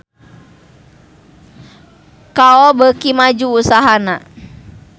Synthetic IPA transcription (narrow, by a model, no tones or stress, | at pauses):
kaɔbəkimad͡ʒuːsaɦana